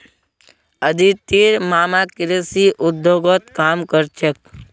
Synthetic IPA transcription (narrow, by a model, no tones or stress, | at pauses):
əd̪ʱit̪iɾmaːmakɪɾəsiʔʊd̪ːjoɡət̪kaːmkəɾt͡ʃək̚